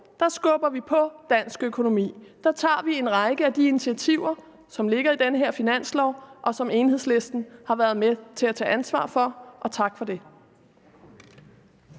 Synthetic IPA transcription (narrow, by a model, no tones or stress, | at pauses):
d̥ɑ̈sɡ̥ɔ̽b̥ɐʋipʰɒ̽d̥æn̰sɡ̥økʰo̝no̝mḭːd̥ɑ̈t͡sʰɑ̰̈ːʋie̝nʁɑ̈ɪɡ̥əæd̥iinit͡sʰiæt͡sʰiʊ̰ɐ | sɒ̽mle̝ɡ̥ɐid̥enəɦeɐ̰finæn̰slɒʊ̰ʔɒ̽sɒ̽me̝ːnhe̝ðˠsle̝sd̥n̩hɑ̈ʋæɐð̞ˠmet͡sʰe̝læt͡sʰɛ̰ːʔænsʋɑ̰̈ːfɒ̽ʔɒ̽t͡sʰɑ̈ɡ̥fɒ̽d̥e̝